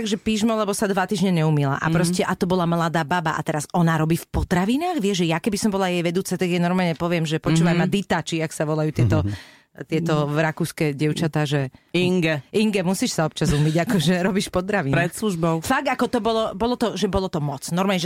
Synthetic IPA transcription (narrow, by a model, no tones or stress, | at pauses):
aɡʒɛpiːʒmɔlɛbɔsad̪ʋat̪iːʒɲɛɲɛumila̰ʔa̰pɾɔscɛʔat̪ɔbɔlamlad̪aːbabaʔa̰t̪ɛɾasɔnaɾɔbiːfpɔt̪ɾaʋinaːɣʋɪɛʒʒɛjakɛbisɔmbɔlajɛjʋɛd̪uːt͡sat̪aɡjɛnɔɾmaːlɲɛpɔʋɪɛmʒɛpɔt͡ʃuːʋajmad̪it̪aːt͡ʃiaksaʋɔlajuːt̪ɪɛt̪ɔ | t̪ɪɛt̪ɔɾakuːskɛɟɪɛʊt͡ʃat̪aːʒɛiŋɡɛiŋɡɛmusiʃsaɔp̚t͡ʃazumiɟakɔʒɛɾɔbiːʃpɔt̪ɾaʋinɾɛt̪sluʒbɔʊfaɡ̚d̪akɔt̪ɔbɔlɔbɔlɔt̪ɔʒɛbɔlɔt̪ɔmɔt͡snɔɾmaːlɲɛʒɛ